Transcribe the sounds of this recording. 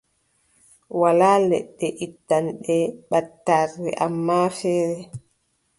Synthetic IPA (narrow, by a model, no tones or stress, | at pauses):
walaːlɛ̰ɗːɛʔitːanɗɛɓatːarɛ̰ʔamːaːfɛːɾɛ